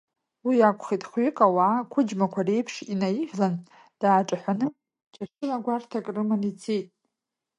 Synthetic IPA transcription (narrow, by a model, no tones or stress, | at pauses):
wiakʷʰʼχitʼχikʼawaːkʷʰʊd͡ʒmakʷʰare̞jpʰʂinajiʒlan | d̥aːʈ͡ʂʼaħʷanɨ | t͡ʃʰʼaʂɨlaɡʷartʰakʼrɨmɨnit͡sʰijtʼ